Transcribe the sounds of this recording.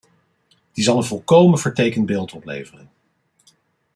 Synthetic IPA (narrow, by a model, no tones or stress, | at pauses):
d̥izɑlˠə̃nvɔlˠkowmənvəɹtejkənbeːlˠtɔplḛjvərən